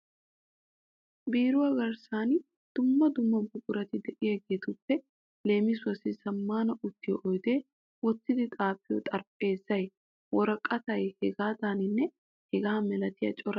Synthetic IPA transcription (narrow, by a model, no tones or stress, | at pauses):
biːɾʊwɐɡɐɾsaːn | d̪̥ʊmːɐd̪ʊmːɐbʊkʼʊɾɐt̪ɪd̪ɛʔɪjɐɡe̞ːt̪ʊpːɛ | le̞ːmɪsʊɐsɪsɐmːaːnɐʔʊt̪ːɪjɔʔɔjd̪e̞ː | wɔtːɪd̪ɪt̪ʼaːpːɪjɔ̰t̪ʼɐɾpʼe̞ːzːɐj | wɔɾɐkʼːɐt̪ɐjhɛɡaːd̪aːnɪnːɛ | hɛɡaːmɛlɐt̪ɪjɐ̰t͡ʃʼɔɾɐ